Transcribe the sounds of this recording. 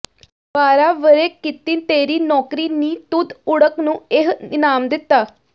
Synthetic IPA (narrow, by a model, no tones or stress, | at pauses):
paːɾaːʋəɾekɪt̪ːiːnt̪eːɾiːnɔːkɾiːniːt̪ʊd̪ʊɽəknũːeɦɪnaːmd̪ɪt̪ːaː